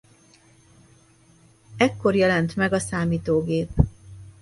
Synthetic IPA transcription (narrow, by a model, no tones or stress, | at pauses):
ɛkːo̞rjɛlɛnt̪mɛɡɒsaːmiːt̪oːɡeːp